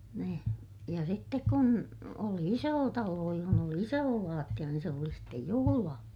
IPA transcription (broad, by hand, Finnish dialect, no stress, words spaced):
ni jɑ sitːek kun oli isoː tɑloː johon oli isoː lɑːtːij̆ɑ niːn se oli sitːej juhulɑː